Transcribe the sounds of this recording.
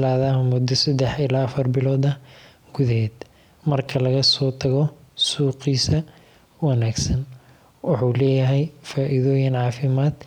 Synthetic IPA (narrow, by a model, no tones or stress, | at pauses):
laːðɐmʊd̪ɐsɐd̪ɛħɪlaːfɐrbɪlɔːðɐ | ɡ̥ʊðɦɛːd̪ | mɐrkʰɐlɐɣɐsɔːt̪ʰɐɣɔsuːqiːsɐ | wɑnaːɡsɐn | wɑħuːlɛːjɐɦɛjfaːʔɪðɔːjɪnʕɑːfɪmaːd̪̥